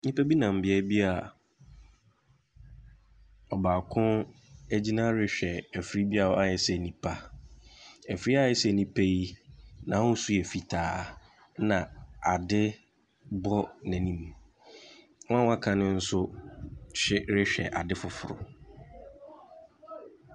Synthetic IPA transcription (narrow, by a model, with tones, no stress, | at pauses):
nĩ˦pʰæ˦bi˦nã˨m̩˨bɪ˨ɛ˦bi˦a˨ | ɔ˨baː˨kʰʊ̃˦æ˦d͡ʑi˦nã˦ɾɪ˦ɕᶣɛ˨æ˨fɾi˦bi˦a˨˦a˦jɛ˨sɛ˦˨nĩ˨pʰa˨ | ɛ˨fɾi˦a˦jɛ˨sɛ˦˨nĩ˦pʰæ˦ji˦nã˨˦ʊ̃˦su˦ɛ˨fi˨tʰaː˨˦ | nã˨a˨dɪ˦ | bɔ˦nɛ̃˨nĩ˦m | wɔ̃˦ã˦wa˦kʰã˨nɪ̃˦n̩˦sʊ˦ | ɕᶣɪ˦ɾɪ˦ɕᶣɛ̰˨ʔa˨dɪ˦fʊ˨fʊ˨ɾʊ̰˨